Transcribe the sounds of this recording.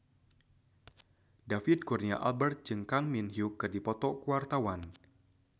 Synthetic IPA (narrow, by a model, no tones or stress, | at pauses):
dafid̪̚kurnia̰ʔa̰lbɛrt̪̚d͡ʒɨŋkaŋminɦiukːɨrdipɔt̪ɔkuart̪awan